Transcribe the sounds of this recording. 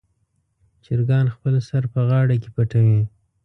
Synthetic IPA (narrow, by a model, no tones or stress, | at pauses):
t͡ʃɪɾɡɑnxpəlsaɾpəɣɑɽakepaʈawi